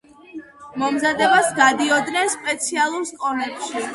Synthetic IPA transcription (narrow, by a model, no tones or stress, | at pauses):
mɔmzad̪ɛbasɡad̪iɔd̪nɛnspʼɛt̪sʰialˠuɾst̪ʼɔnɛpʃi